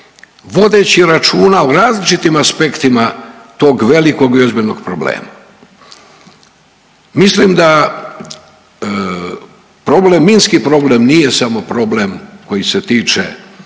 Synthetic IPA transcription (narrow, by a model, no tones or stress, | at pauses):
ʋo̞d̪eːt͡ɕiɾat͡ʃuːnauɾaːzlit͡ʃit̪imaspe̞kt̪imat̪o̞ːɡʋe̞liko̞ɡiozbilʲno̞ɡpɾoblḛːma | mislimd̪a | pɾo̞blemːinskipɾo̞ble̞mnije̞samo̞pɾo̞blemko̞jiset̪iːt͡ʃe